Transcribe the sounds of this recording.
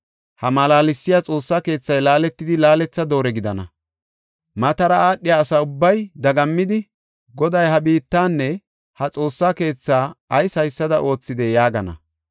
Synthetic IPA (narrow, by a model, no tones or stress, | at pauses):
hɐmɐlaːlɪsːɪjat͡sʼo̞ːsːaːke̞ːt͡sːɐjlaːlɛt̪ːɪd̪ɪlaːlɛt͡sːɐd̪o̞ːɾɛɡɪd̪ɐnɐ̰ | mɐt̪ɐɾɐaːɗɪjaːsaːʊbːɐjd̪ɐɡɐmːɪd̪ɪ | ɡɔd̪ɐjhɐbiːt̪ːaːnːɛ | hɐt͡sʼo̞ːsːaːke̞ːt͡sːaːɐjsɐjsːɐd̪ɐʔo̞ːt͡sːɪd̪ɛjaːɡɐnɐ̰